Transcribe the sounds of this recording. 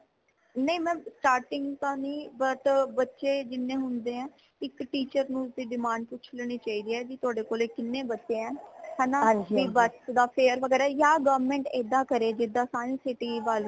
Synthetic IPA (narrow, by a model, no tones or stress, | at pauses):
nəĩːmɛ̃ːsʈaːɾʈɪŋɡt̪ãːnĩːbəʈbətːʃeːd͡ʒɪnːẽːɦʊnd̪eːɛ̃ː | ɪkʈiːt͡ʃəɾnũːsd̪iːɖɪmãːɳɖpʊt͡ʃʰleːɽ̃iːt͡ʃaːiːd̪iːɛːd͡ʒiːt̪ʊaːɖeːkoːleːkɪnːẽːbətːʃẽːɛ̃ːɦɛːnãiːbəsd̪aːpʰeːɾʋəɡɛːɾaːjaːɡoːmẽːɳʈeːd̪ãːkəɾeːd͡ʒɪd̪ːaːsaːnĩːsɪʈiːʋaːl